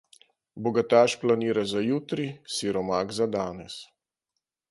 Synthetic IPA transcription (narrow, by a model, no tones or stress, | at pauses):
bɔɡat̪aːʃplaniːɾazajuːt̪ɾisiɾɔmaːɡzad̪aːnɛs